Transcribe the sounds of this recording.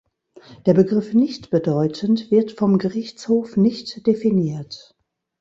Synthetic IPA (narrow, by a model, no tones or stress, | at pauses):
d̥eːɐbəɡʁɪfnɪçtb̥ədɔʏtʰəntv̥ɪɐtfɔmɡəʁɪçt͡shoːfnɪçtd̥efiniːɐt